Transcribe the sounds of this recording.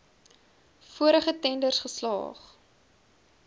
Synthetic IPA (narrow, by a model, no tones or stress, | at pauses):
fuəɾəχətɛndərsχəslɑ̰ːχ